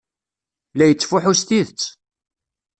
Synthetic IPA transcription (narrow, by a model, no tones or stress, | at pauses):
læjət͡sːfʊħʊst̪iðət͡sː